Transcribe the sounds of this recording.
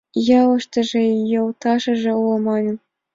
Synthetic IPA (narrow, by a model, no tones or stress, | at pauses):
jɑlɤ̆ʂt̪ɤ̆ʐĕjɤ̆wt̪ɑʂɤ̆ʐĕulˠɤ̆mɑnʲɤ̆